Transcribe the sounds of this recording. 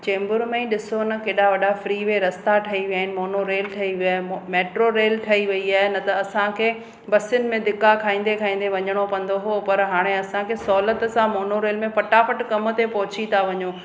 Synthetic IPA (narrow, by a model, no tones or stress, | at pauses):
t͡ɕẽːmbʊɾmẽɗɪsonɐkeːɗaʋɐɗafɾiːʋeɾɐst̪aʈʰɐiʋijaːɪnɪ̆moːnoɾeːlʈʰɐiʋiaːɦemmeːʈɾoɾeːlʈʰɐiʋɐiaːɦɪnɐt̪ɐɐsãkʰeː | bɐsʊnɪ̆mẽd̪ɪkːakʰaːĩːn̆d̪ekʰaːĩːn̆d̪eʋɐɲəɽ̃opɐ̃n̆d̪oɦopɐɾɦaːɽ̃eɐsãkʰeːsɔːlət̪sãmoːnoɾeːlmẽpɐʈapəʈkɐmʊ̆t̪epɐɦʊt͡ɕit̪ʰaʋɐɲoː